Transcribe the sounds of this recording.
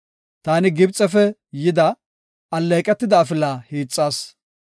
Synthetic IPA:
t̪aːnɪɡɪbt͡sʼːɛfɛjɪd̪ɐ | ɐlːeːkʼɛt̪ːɪd̪ɐːfɪlaːhiːt͡sʼːaːs

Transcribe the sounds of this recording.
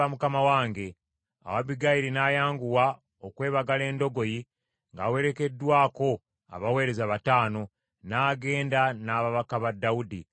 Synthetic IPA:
amukamawaːŋɡe̞ | a̰waβiɡajiɾinaːjaːŋɡuwa | okwe̞ːβaɡale̞ːndo̞ɡo̞ji | ŋɡaːwe̞ɾe̞ke̞dːwaːko̞ | a̰βawe̞ːɾe̞zaβataːno̞ | naːɡe̞ːndanaːβaβakaβadːawudi

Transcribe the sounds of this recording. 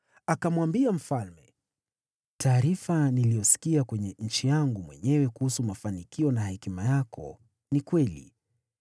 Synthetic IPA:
akamwambiam̩falmɛ | tʰaːɾifanilijɔsi̥kiakwɛɲɛɲ̩t͡ʃijaŋɡumwɛɲɛwɛkuhusumafanikiɔnahɛkimajakʰɔ̰ | nikwɛlḭ

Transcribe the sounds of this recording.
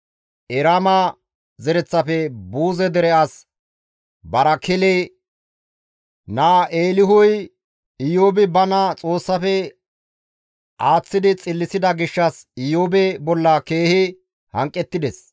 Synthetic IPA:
ʔɛɾamɐ | zɛɾɛt͡sːɐfɛbuːzɛd̪ɛɾɛɐs | bɐɾɐkɪlɛ | naːʔeːlɪɦʊj | ɪjoːbɪbɐnɐt͡sʼo̞ːsːɐfɛ | ʔaːt͡sːɪd̪ɪt͡sʼɪlːɪsɪd̪ɐɡɪʃːɐsɪjoːbɛbɔlːɐke̞ːhɪ | hɐŋkʼːɛt̪ːɪd̪ɛs

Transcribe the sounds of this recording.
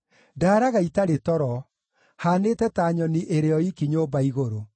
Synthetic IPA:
daːɾaɣaitaɾetɔɾɔ | haːnetɛtaːɲɔniʔeɾeɔikiɲoːbaiɣoɾo

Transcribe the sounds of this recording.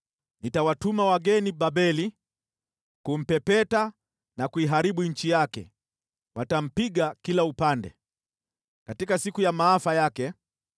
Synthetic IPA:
nitawatumawaɡɛniɓaɓɛli | kum̩pɛpɛta | nakuiɦaɾiɓuɲ̩t͡ʃijakɛ̰ | watam̩piɡakilaupandɛ̰ | katikasikujamaːafajakɛ

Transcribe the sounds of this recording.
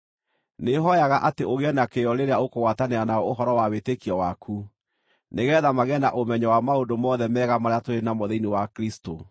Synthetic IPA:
neɦɔjaɣaʔateʔoɣeɛnakeɔɾeɾeaokoɣwataneanaɔoɦɔɾɔwawetekiɔwakʰu | neɣɛðamaɣɛnaʔomɛɲɔwamaondomɔðɛmɛːɣamaɾeatoɾenamoðeinewakɾisto

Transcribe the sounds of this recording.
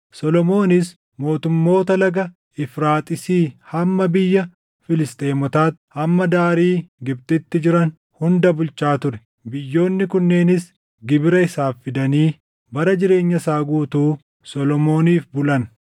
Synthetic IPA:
sɔlɔmo̞ːnɪs | mo̞ːt̪ʊmːo̞ːt̪ɐlɐɡɐ | ɪfɾaːt̪ʼɪsiːhɐmːɐbɪjːɐ | fɪlɪst̪ʼeːmɔt̪aːt̪hɐmːɐd̪aːɾiːɡɪbt̪ʼɪt̪ːɪd͡ʒɪɾɐn | hʊnd̪ɐbʊlt͡ʃaːt̪ʊɾɛ̥ | bɪjːo̞ːnːɪkʊnːe̞ːnɪs | ɡɪbɪɾɐɪsaːfːɪd̪ɐniː | bɐɾɐd͡ʒɪɾe̞ːɲːɐsaːɡuːt̪uː | sɔlɔmo̞ːniːfbʊlɐn

